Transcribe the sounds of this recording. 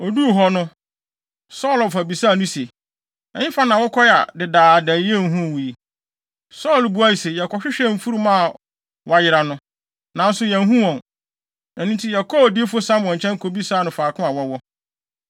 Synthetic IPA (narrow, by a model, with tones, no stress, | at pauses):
ɔ˨du˦˨ɦɔ˦nʊ̃˦ | sɔː˦˨lfa˨bi˨saː˦˨nʊ̃˦se˨ | ɛ˨ɲɪ̃˦fa˦nã˨wɔ˦kʰɔ˦˨a̰˨dɪ˨daː˨dæ˨˦e˦˨ɦũ˦˨wu˨ji˨ | sɔː˦˨lbu˨˦a˦ji˨se˨jɛ˨kʰɔ˨ɕᶣɪ˦ɕᶣɛ˦m̩˦˨fu˦ɾu˦mã˦˨ | wɔ˨a˨˦jɪ˦ɾa˨nʊ̃˦ | nã˨n̩˦sʊ˨˦jɛ̃˨n˦ɦũ˦wɔ̃˨n | ɛ̃˨nĩ˦tʰi˦ja˨kʰo˦˨di˦e˦fo˦sã˦m˨ɔ̃˨ɲ̩˨t͡ɕʰɛ̃˦ŋ˦kʰo˨bi˦sa˦˨nʊ̃˨faː˨kʰʊ̃˦a˨wɔ˦wɔ˦